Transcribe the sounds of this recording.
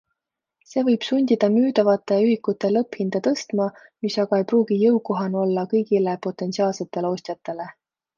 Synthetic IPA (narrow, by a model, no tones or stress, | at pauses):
se̞ːvɤjb̥sunʲd̪̥id̪̥ɑmyːd̪̥ɑvɑt̪ːˑe̞yɦikːˑut̪ːˑe̞lɤphind̪̥ɑt̪ɤst̪mɑmisɑɡ̥ɑe̞jpruːɡ̥ijɤwko̞ɦɑno̞lːɑkɤjɡile̞po̞t̪ːˑe̞nt̪siɑːlse̞t̪ːˑe̞leo̞ːsʲt̪jɑt̪ːˑe̞le̞